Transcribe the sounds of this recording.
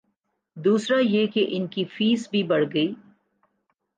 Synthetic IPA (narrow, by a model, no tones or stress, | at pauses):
d̪uːsɾajekeʔɪnkifiːsbʱibɐɽ̤ɡɐiː